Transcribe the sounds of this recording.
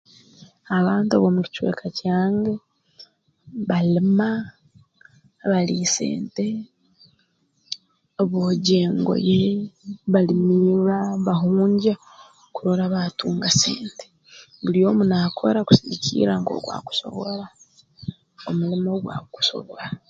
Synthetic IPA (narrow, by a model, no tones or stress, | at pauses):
aβaːntua̰βomuci̥t͡ʃwe̞̰ːkʰacaːŋɡe̞ | βalima | βalisḛːnte̞ | βoɟe̞ːŋɡo̰jeβalimiːβaβaɦuːɲɟa | kuɾoɾaβatuːŋɡasḛːnte̥ | βuljo̞ːmunakʰo̰ɾaku̥siβicʰḭːɾaŋɡo̰ɡwa̰ːku̥so̞̰βoɾa | omulimo̞ɡwa̰ku̥so̞̰βwa